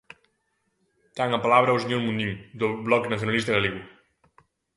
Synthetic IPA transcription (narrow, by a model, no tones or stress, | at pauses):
t̪aŋapalaβɾəwsiɲomund̪iŋd̪əblɔknəθjunalist̪əðəliɣwu